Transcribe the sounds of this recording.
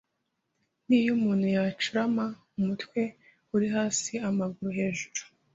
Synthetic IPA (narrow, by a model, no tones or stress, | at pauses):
niːjumuːn̥hujat͡ʃuɾama | umutkwe̞ | uɾiɦaːsiamaɡuɾuɦe̞ːʒuɾu̥